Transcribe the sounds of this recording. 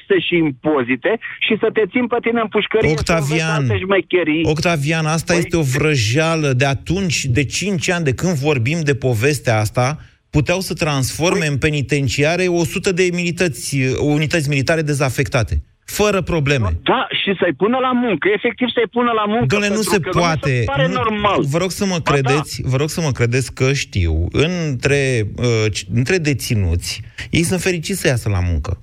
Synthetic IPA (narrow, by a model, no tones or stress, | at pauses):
st̪eʃiːmpo̞zit̪eʃisət̪e̞t̪simpet̪ineɨmpuʃkəɾokt̪avianneʃmejkʲeɾiokt̪avianast̪aje̞st̪e̞o̞vɾəʒaləd̪e̞at̪unt͡ʃʲd̪e̞t͡ʃint͡ʃʲanʲd̪e̞kɨnd̪vo̞rbimd̪e̞po̞ve̞st̪eaast̪a | put̪eawsət̪ɾansfo̞rme̞ɨnpe̞nit̪e̞nt͡ʃiaɾe̞o̞sut̪əd̪e̞milit̪ət̪sʲunit̪ət̪sʲmilit̪aɾe̞d̪e̞zafe̞kt̪at̪e̞ | fəɾəpɾo̞ble̞me̞̰d̪̥aʃisəjpunəlamuŋkəefe̞k̚t̪ivsəjpunəlamuŋkɡɨnlenuse̞puat̪e̞enuormalvəɾo̞ɡsəməkɾe̞d̪e̞t̪sʲvəɾo̞ɡsəməkɾe̞d̪e̞t̪sʲkəʃt̪ḭwɨnt̪ɾe̞ət͡ʃɨnt̪ɾe̞d̪e̞t̪sinṵt̪sʲjejsunt̪fe̞ɾit͡ʃit̪sʲəjasəla̰mṵŋkə̰